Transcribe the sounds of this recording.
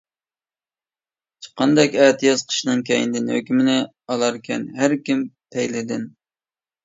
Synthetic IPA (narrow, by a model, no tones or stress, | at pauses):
t͡ʃʰə̥qʰːɑnd̪ɛkʲɛːt̪ʰɨjɑz̥qʰə̥ʃnɨŋkʲʰɛjind̪ɪnhø̰kʲymɪnɪ | ɑlˠɑɾkʲʰɛ̰nɦæɾkʲimpʰɛjlɪd̪ɪn